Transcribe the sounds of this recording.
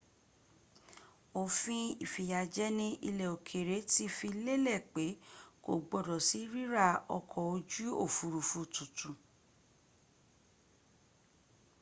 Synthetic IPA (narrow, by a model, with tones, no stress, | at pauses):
o˨fĩ˧i˨fi˨ja˨d͡ʒɛ˦nĩ˧ʔḭ˧lɛ˨o˨kʰe˨ɾe˨˦ti˦fi˧le˦lɛ˦˨k͡pe˨˦ko̰˨ɡ͡bɔ˧˨dɔ˨si˨˦ɾi˦ɾa˦˨ɔ̰˧kʰɔ˨o˧˦d͡ʒu˦o˦˨fu˨ɾu˨fu˧tũ˨tũ˨